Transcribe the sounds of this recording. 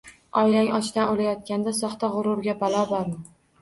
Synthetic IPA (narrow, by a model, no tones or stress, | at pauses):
ɒjlaŋɒt͡ʃt̪anolajɒt̪̚kʲand̪asɒχt̪aʁʊɾʊɾɡʲabalˠɒbɒɾmɪ